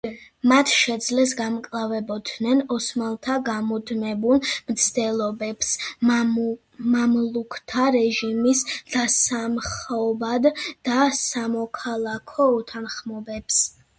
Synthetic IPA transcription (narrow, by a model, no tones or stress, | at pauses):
mat̪ʰʃɛd̪zlɛs̬ɡamkʼlˠavɛbɔd̪nɛnɔsmalˠt̪ʰaɡamɔd̪mɛbulˠmt̪sʰd̪̥ɛlˠɔbɛps | mamlˠukʰt̪ʰaɾɛʒimisd̪̥asamχɔbad̪asamɔkʰalˠakʰɔɔt̪ʰanχmɔbɛps